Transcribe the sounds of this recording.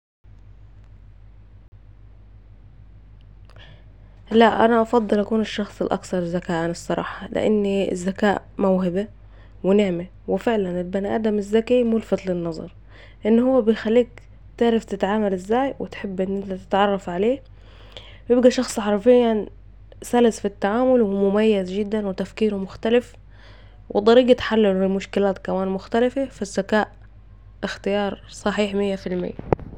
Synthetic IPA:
læʔʔæ̰næʔɑfɑd̪ˤːɨlʔækuːnɪʃːɑxsˤɪlʔɑ̰kθɑɾˤzːækaːʔanɑsˤːɑɾˤɑ̰ːħɑlɪ̰ʔa̰n̰ːzːækaːʔ | mæwɦɪbe | wɪnɪʕme | wɪfeʕlænɪlbænʔæ̰d̪æmɪzːækimʊlfɑt̪ˤlɪnːɑzˤɑ̰ɾˤ | ʔɪnːhʊwːæbejxælːiːk̚ | t̪ɪʕɾaft̪ɪt̪ʕaːmalɪzːaːjwɪ̰t̪ħɪbːʔɪnːʔɪnt̪at̪ɪ̥t̪ʕɑrˤːɑfʕaleː | bjɪbɡaʃɑxsˤħɑɾˤfɪjːa | salɪsfit̪ːaʕaːmʊlwɪmʊmajːazd͡ʒɪd̪ːanwɪt̪afkiːɾmʊxt̪alɪf | wʔɪ̰d̪ˤɑɾiːɡat̪ħalːɪlɪlmʊʃkɪlaːt̪kamaːnmʊxt̪alafefazːakaːʔ | ʔɪxt̪ɪjɑːɾˤsˤɑħiːħmɪjːafilmɪ̰jːa

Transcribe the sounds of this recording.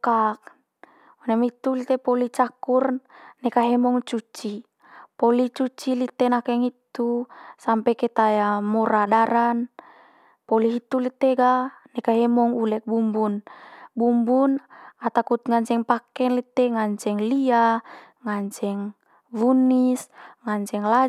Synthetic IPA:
kak̚ | unɛmit̪ulit̪ɛpɔlit͡ʃakurnɛkaɦɛmɔŋt͡ʃut͡ʃi | pɔlit͡ʃut͡ʃilit̪ɛnakɛŋit̪usampɛkɛt̪ajamɔɾadaɾan | pɔliɦit̪ulit̪eɡanɛkaɦɛmɔŋulɛk̚bumbunbumbunat̪akut̪ŋaɲt͡ʃɛŋpakɛnlit̪ːɛŋaɲt͡ʃɛŋlia | ŋaɲt͡ʃɛŋ | vunisŋaɲt͡ʃɛŋla

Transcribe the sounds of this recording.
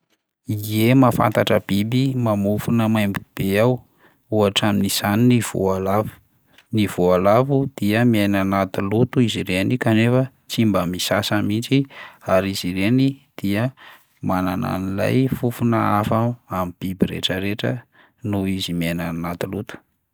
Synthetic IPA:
iemafa̰nt̪aʈ͡ʂəbibimamufunəmajmbib̥eaw | uaʈ͡ʂaminiz̥aninivṵalav | niv̥ualavud̪̥iəmiejnanat̪ulut̪uiziɾenikanefə | t͡simbəmisasamint͡ʃiaɾiziɾenid̪̥iə | manana̰nila̰jfufunəafaamib̥ibiɾḛʈ͡ʂəɾeʈ͡ʂə | nuizimienanat̪ulut̪u̥

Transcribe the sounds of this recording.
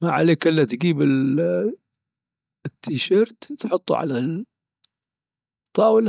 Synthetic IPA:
maʕaleːkʔɪlːat̪ɡiːbɪ | t̪ʰːiːʃɑɾt̪t̪ħʊt̪ˤːṵʕa̰la | t̪ˤːɑːwəl

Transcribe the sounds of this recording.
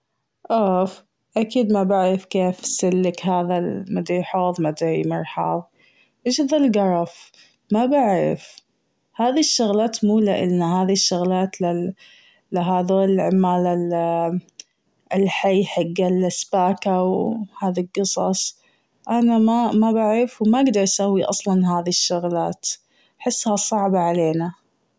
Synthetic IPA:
ʔaf | ʔakiːd̪mabaʕɾɪfkeːfsɪlːɪkɦaːðamad̪ijħoːðˤmad̪imɑɾˤħɑ̰ðˤ | ʔeʃaðalɡɑɾˤɑf | mabaʕɾɪ̰f | haːðiʃːʊɣlaːt̪muːlaʔɪ̰lnahaːðiʃːʊɣlaːt̪lɪː | ɪɦaːðoːlʕɪmːaːlal | ɪlħajːħaɡːalɪsbaːkawhaːðilɡɨsˤɑsˤ | ʔanamamabaʕɾɪfwmaʔɪɡd̪ɑɾˤʔasawːiʔɑ̰sˤlɑnɦaːðiʃːʊɣlaːt̪ | aħɪsːhasˤɑʕbaʕaleːna

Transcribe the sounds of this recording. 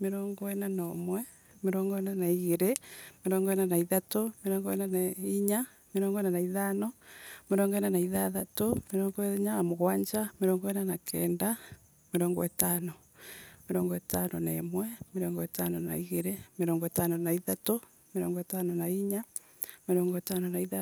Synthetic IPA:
meɾɔːŋɡɔɛnanɔmwɛ | meɾɔːŋɡɔɛnanaiɣeɾemeɾɔːŋɡɔɛnanaiðatomeɾɔːŋɡɔɛnanaiɲa | meɾɔːŋɡɔɛnanaiðanɔmeɾɔːŋɡɔɛnanaiðaðatomeɾɔːŋɡɔeɲaamoɣwaːɲd͡ʒameɾɔːŋɡɔɛnanakʰɛːnda | meɾɔŋɡɔ̰etanɔ | meɾɔŋɡɔetanɔnaemwɛmeɾɔːŋɡɔetanɔna̰iɣeɾemeɾɔːŋɡɔetanɔnaiðato | meɾɔ̰ŋɡɔetanɔnaiɲa | meɾɔːŋɡɔetanɔnaiða

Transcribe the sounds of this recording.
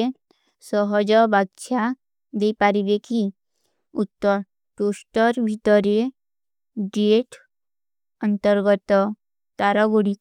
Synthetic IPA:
e | sɔɦɔd͡ʒɔbak̚t͡ʃʰa | d̪eipaɾibekʰi | ut̪ːɔ | ʈosʈəɾbʱit̪əɾe | ɖieʈ | ənt̪əɾɡɔt̪ɔ | t̪aɾɔɡoɽi

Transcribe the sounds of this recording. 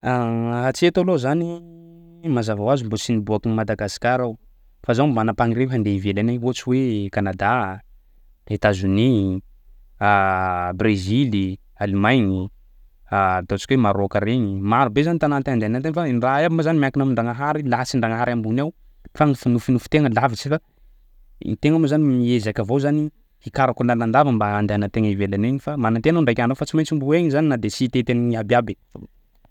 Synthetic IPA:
aat͡siet̪alozani | mazavawazimbosinibuakinmad̪aɡasi̥kʲaɾaw | fazamanapaŋiɾeɦand̪eivelanaɦot͡siwekanad̪a | et̪azuni | abrezili | alimajɲi | at̪at͡ʃi̥kʲwemaɾokəɾeɲimaɾubezanit̪anat̪aɳɖ͡ʐeanant̪eŋfanraebimazanimiakinamiɳɖ͡ʐaŋaɦaɾilasiɳɖ͡ʐaŋaɦaɾambunaw | fanifinufinufu̥t̪eŋəlavit͡sifa̰ | t̪eŋamozanimiezakəvozani | hikaɾakunaland̪avəmbaand̪eanət̪eŋəivelaneɲifamanant̪eanauɳɖ͡ʐajkʲanawfat͡simajt͡simbueɲzaninad̪esit̪et̪enɲiabiabe

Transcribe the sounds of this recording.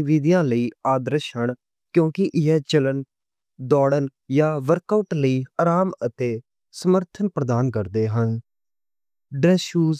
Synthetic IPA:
ʋiːd̪ijãːləiːaːd̪əɾəʃɦəɳ | kjõːkɪʔɪɦɛːt͡ʃələn | d̪ɔːɽənjaːʋəɾkaʊʈləiːaːɾaːmət̪eː | səməɾt̪ʰənpɾəd̪aːnkəɾd̪eːɦən | ɖɛːʃuːz

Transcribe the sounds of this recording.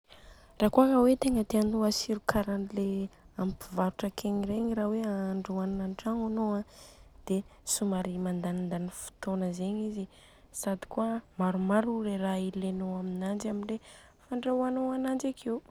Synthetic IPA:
raːkuakawet̪eŋət̪eanuasiɾukʰaɾanile | ampivaɾuʈ͡ʂəkʰeɲiɾeɲiɾaweaaɳɖ͡ʐuannanʈ͡ʂaŋanoãd̪̥esumaɾimand̪anind̪anifu̥t̪onəzeɲizi | sad̪i̥kuəmaɾumaɾuɾeɾailenoaminand͡ʒaminle | faɳɖ͡ʐawanoanand͡ʒakʰew

